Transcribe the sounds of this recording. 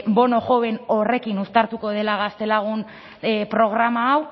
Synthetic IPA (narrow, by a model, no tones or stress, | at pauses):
bo̞no̞ʝo̞βe̞no̞re̞kinust̪aɾt̪uko̞ð̞e̞laɣast̪e̞laɣ̞un | pɾo̞ɣ̞ɾamaːw